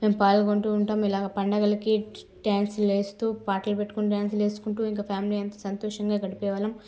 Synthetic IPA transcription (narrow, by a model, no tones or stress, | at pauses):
me̞ːmpaːlɐɡoɳʈuuɳʈaːmilaːɡɐpɐɳɖɐɡɐlɐki | ʈaːnsle̞ːst̪uːpaːʈɐlupeʈːu̥kunʈjaːnsle̞ːsu̥kuɳʈuːiŋkɐpʰjaːmiliːɐnt̪ɐsɐnt̪ɔːʂɐŋɡaːɡɐɽipɛːʋɐlɐm